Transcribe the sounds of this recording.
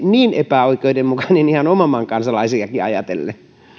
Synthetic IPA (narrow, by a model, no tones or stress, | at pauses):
niːnepæoikˑeidemmukɑnenihɑnomɑmɑŋkɑnsɑlɑisiɑkiɑ̰jɑt̪ḛlːe